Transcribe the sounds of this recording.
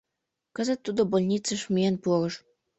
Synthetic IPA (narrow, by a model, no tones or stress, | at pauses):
kə̆zə̆t̪ːud̪obolʲnʲit͡səʃmienpuoɾɤ̆ʃ